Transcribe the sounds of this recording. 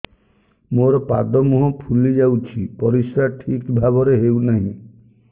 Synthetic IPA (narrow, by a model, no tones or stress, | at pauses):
moɾɔpad̪ɔmuɦɔ̃pʰulid͡ʒawt͡ʃʰipɔɾisɾaʈʰikbʱabɔɾeɦewnaɦĩ